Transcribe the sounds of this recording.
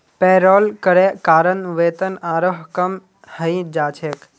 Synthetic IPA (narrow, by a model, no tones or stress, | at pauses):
peːɾoːlkəɾekaːɾənʋeːt̪ənaːɾoɦkəm | həĩd͡ʒaːt͡ʃʰeːk